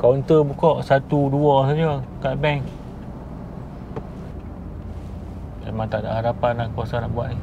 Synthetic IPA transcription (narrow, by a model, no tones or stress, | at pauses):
kawnt̪əbukɔʔsat̪uduɔsad͡ʒokaʔbɛŋ | a̰maŋt̪aʔda̰ʔɦaɾapanːakuasanaʔbuaʔni